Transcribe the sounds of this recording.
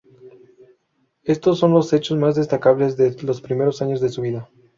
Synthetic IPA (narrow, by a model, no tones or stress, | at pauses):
e̞st̪o̞sːo̞nlo̞se̞t͡ʃo̞zmazðe̞st̪akaβle̞zðelo̞spɾime̞ɾosaɲo̞zðe̞suβiða